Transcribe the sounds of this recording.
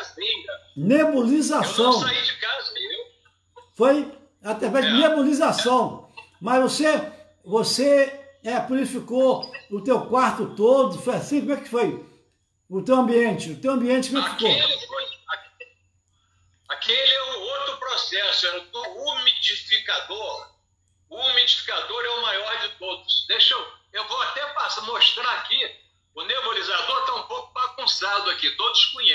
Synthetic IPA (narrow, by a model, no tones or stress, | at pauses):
sĩɐnebulizasɐ̃w̃id͡ʒikazew | foj | at̪ɾavɛzd͡ʒɪnebolizasɐ̃w̃ | mɐzvose | voseɛpulifikoʊt̪ewkwaɾt̪ʊt̪od̪ʊfojasĩkomɛkɪ̥foj | ʊt̪ewɐ̃mbiẽnt͡ʃɪʊt̪ewɐ̃mbiẽnt͡ʃɪkomɛkɪfikofoj | akelɪɛũot̪ɾʊpɾosɛsʊɛʊt̪oumid͡ʒifikad̪oɾ | ʊmid͡ʒifi̥kad̪oɾɛʊmajɔɾd͡ʒɪt̪od̪ʊsd̪eʃɐwewvoat̪ɛpasamoʃt̪ɾaaki | ʊnevolizad̪oɾt̪aũpowkʊbaɡũsad̪ʊakit̪od̪ʊskõɲe